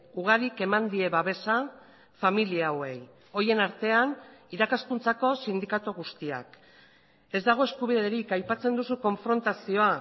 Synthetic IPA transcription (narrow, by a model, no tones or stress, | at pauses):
uɣ̞aɾike̞mand̪ie̞βaβe̞sa | familiawe̞j | o̞je̞naɾt̪e̞aniɾakaskunt͡sako̞sind̪ikat̪uɣust̪ia̰k | e̞zd̪aɣ̞o̞e̞skuβ̞iðeɾikajpat͡se̞nd̪usuko̞ɱfɾo̞nt̪asio̞a